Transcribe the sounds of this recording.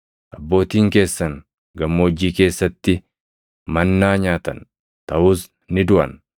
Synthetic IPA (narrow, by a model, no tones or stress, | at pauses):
ʔɐbːo̞ːt̪iːŋke̞ːsːɐŋ | ɡɐmːoːd͡ʒːiːke̞ːsːɐt̪ːɪ | mɐnːaːɲaːt̪ɐ̰n | t̪ɐʔuːs | nɪd̪ʊʔɐ̰n